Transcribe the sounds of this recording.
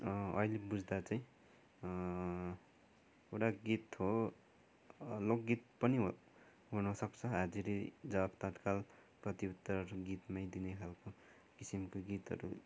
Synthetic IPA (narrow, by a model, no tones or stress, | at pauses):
ʌ̰ilebud͡zd̪at͡saĩ | ewʈaɡit̪ɦo | lok̚ɡit̪̚pʌniɦ | ɦunʌsʌkt͡sʰʌɦad͡ziɾed͡zʌabt̪at̪kalprʌt̪iut̪ːʌrɡit̪majd̪inekʰalko | kisimkoɡit̪ɦʌ̰ɾṵ